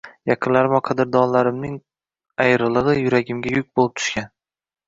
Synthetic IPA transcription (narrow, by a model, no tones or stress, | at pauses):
jɑqʰɨnlaɾɪmɒqʰɑd̪ɪɾd̪ɒnlaɾɪmnɪŋ | ajɾɨlˠɨʁɨjʊɾaɡʲɪmɡʲajʊk̚ʲbolˠɪp̚t̪ʰʊ̥ʃkʲan